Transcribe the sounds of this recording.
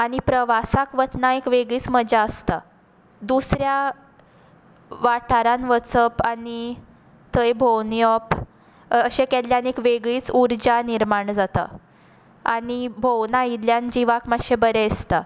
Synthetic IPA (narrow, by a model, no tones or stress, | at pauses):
aɽ̃ipɾəʋasakʋət̪naekʋeɡɭiːt͡sməd͡ʑaəst̪a | d̪usɾja | ʋaʈʰaɾanʋət͡səpani | t̪əjbʱownjɔp | əɕekɛd̪ljanekʋeɡɭiːt͡suɾd͡ʑaniɾmaɳd͡zat̪a̰ | aɽibʱownaid̪ljand͡ʑiʋakmaɡɕebəɾɛst̪a